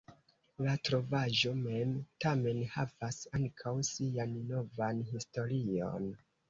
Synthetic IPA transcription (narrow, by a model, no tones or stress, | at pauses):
latɾo̞vaʒo̞me̞mtame̞nhavasaŋkʰawsianno̞vanhisto̞ɾio̞̰n